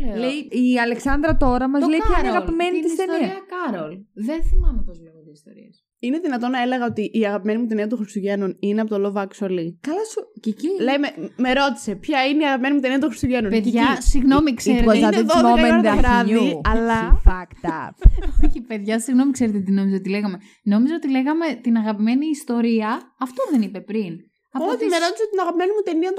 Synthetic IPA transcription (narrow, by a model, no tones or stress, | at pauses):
elejiiɐleksɐnd̪ɾɐt̪o̞ɾɐmɐzlejpçainiɐɣɐpimenit̪issenɐkɐɾolðenθimɐnepozleɣot̪iist̪o̞̰ɾḭɐs | ineðinɐt̪o̞nɐe̞le̞ɣɐo̞t̪iʔiɐɣɐpime̞nimut̪̬eniɐt̪õxɾist̪uʝe̞nonineɐpot̪olovɐksolikɐlɐscecilejmemeɾo̞t̪i̥se̞pçɐineiɐɣɐpime̞nimut̪eniɐt̪oxɾist̪uʝe̞nupeðʝɐsiɣno̞mikseɾeoɐðoðekɐmeɾðɐvɾɐʝiuɐlɐfɐkt̪ɐoçipeðʝɐsiɣno̞mikse̞ɾet̪et̪ino̞mizeot̪ile̞ɣɐme̞ | no̞mizeot̪ile̞ɣɐme̞t̪inɐɣɐpime̞niːst̪o̞ɾiɐɐft̪o̞ðe̞nipe̞pɾin | ɐpot̪imeɾo̞t̪iseot̪inɐɣɐpime̞nimut̪e̞niɐt̪